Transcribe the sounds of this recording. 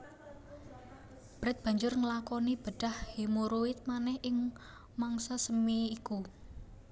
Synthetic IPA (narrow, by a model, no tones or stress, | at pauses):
b̥ɾɛt̪̚b̥a̤ɲd͡ʒʊrŋəlakɔnib̥əɖ̥a̤hhimoɾoɪt̪̚manɛhʔɪŋ | maŋsasəmiːku